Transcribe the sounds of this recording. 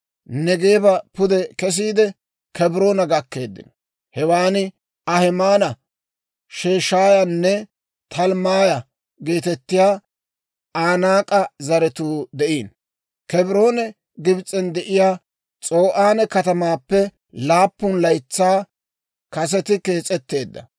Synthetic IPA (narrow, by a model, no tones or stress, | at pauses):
nɛɡeːbɐpʊd̪ɛkɛs̬iːd̪ɛ | kɛbɾo̞ːnɐɡɐkːe̞ːd̪ːɪ̰nɔ | hɛwaːnɪ | ɐhɛmaːnɐ | ʃeːʃaːjanːɛ | t̪ʰɐlmaːjɐ | ɡeːt̪ɛt̪ːɪjaː | ʔaːnaːkʼɐzɐɾɛt̪uːd̪ɛʔiːn | kɛbɾo̞ːnɛ | ɡɪbt͡sʼːɛnd̪ɛʔɪjaː | t͡sʼo̞ːʔaːnɛkɐt̪ɐmaːpːɛ | laːpːʊnlɐjt͡sːaː | kɐs̬ɛt̪ɪke̞ːt͡sʼɛt̪ːe̞ːd̪ːɐ̰